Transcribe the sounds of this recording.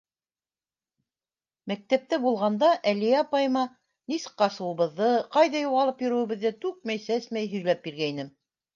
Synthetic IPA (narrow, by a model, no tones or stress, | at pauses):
mæk̚t̪æp̚t̪æbulˠʁɑnd̪ɑʔælijæɑpɑjɤ̆mɑ | nisɤ̥̆qːɑsɤ̆wɤ̆βɤ̆ðːɤqɑjðɑjuʁɑlˠɤpjɵ̆ɾɘ̆wɘ̆βɘ̆ðːæt̪ʉk̚mæjsæsmæjɦɵ̆jlæp̚biɾɡæjnɘm